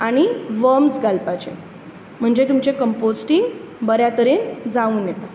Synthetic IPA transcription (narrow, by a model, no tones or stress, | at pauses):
aɽ̃iʋəmsɡalpat͡ɕḛ | m̤əɳd͡zet̪umt͡ɕekəmposʈiŋɡ | bəɾjat̪əɾend͡zauːnjet̪a